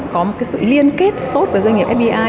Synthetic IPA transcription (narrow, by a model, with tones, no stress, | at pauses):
kɔ˨˦mo˨˩kaː˨˦jsɨ̰˧˨li˧ənke˦˥t̚t̪o˦˥t̪̚əː˨˩za˧ŋi˨˩pʔɛ˦˥i˧ʔaː˧